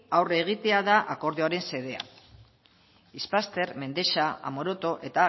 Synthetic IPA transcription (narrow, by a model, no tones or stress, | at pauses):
awre̞ɣ̞it̪e̞aðaʔako̞ɾðeaɾe̞nse̞ðe̞a̰ | ispast̪e̞ɾme̞nd̪e̞ʃaa̰mo̞ɾo̞t̪o̞ʔe̞t̪a